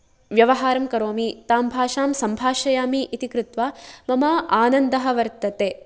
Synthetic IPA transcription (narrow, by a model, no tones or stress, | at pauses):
ʋjɐʋɐɦaːɾɐmkɐɾoːmit̪aːmbʱaːʃaːmsɐmbʱaːʃɐjaːmiʔit̪ikɾut̪ʋaːmɐmɐaːnɐnd̪ɐɦɐʋɐɾt̪ɐt̪eː